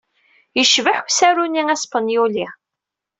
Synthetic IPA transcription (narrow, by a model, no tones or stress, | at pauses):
jəʃvəħusæɾuniŋæspənjuli